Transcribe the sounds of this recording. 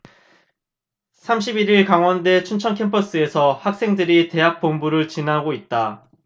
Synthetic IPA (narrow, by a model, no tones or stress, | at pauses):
sʰamɕʰibiɾiɭkaŋwʌnde̞t͡ɕʰunt͡ɕʰʌnkʰe̞mpʰʌs͈ɯe̞sʰʌhak̚s͈e̞ŋdɯɾite̞ɦak̚p͈ombuɾɯɭt͡ɕinaɡoit̚t͈a